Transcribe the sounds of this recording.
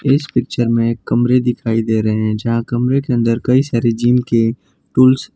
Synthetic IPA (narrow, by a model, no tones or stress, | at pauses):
ɪspɪk̚t͡ʃəɾmẽkɐmɾed̪ɪkʰaːid̪eːɾɐɦeɦɛ̃d͡ʒɐɦãkɐmɾekeɐ̃nd̪əɾkɐisaːɾed͡ʒiːmke | ʈuːls